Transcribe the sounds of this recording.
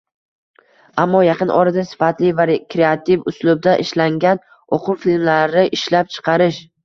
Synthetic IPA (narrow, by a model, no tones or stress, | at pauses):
amːɒjɑqɨnʔɒ̰ɾad̪asɪ̥fat̪lɪvaɾkɾeat̪ʰivʊslʊb̚d̪aʔɪʃlaŋɡʲan | oqʰʊwfilmlaɾɪʔɪʃlap̚t͡ʃʰɨ̥qʰɑɾɪʃ